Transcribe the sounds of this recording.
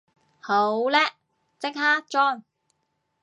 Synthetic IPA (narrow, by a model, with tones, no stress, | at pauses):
ho˨˥wlɛː˥ | t͡sɪ˥k̚haː˥t͡ʃɔː˥˩ŋ